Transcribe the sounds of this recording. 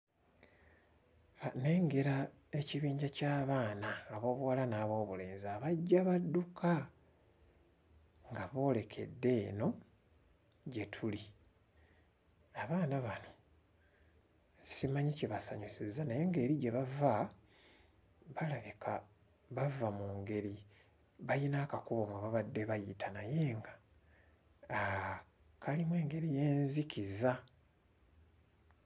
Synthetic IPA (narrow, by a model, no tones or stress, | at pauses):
ne̞ːŋɡe̞ɾa | e̞ciβiːɲɟacaːβaːnaːβo̞ːβuwalanaːβo̞ːβule̞ːnziaβaɟːaβadːukʰa | ŋɡaβo̞ːle̞kʰe̞̰dːe̞ːno̞ | ɟe̞tʰuli | aβaːnaβano̞ | simaɲiceβasaɲusizːanaje̞ŋɡaeːɾiɟe̞βava | βalaβikʰa | βavamuːŋɡe̞ɾi | βajinakakuβo̞mwaβaβadːe̞βajitanaje̞ːŋɡa | a | kʰalimwe̞ːŋɡe̞ɾije̞ːnzikiza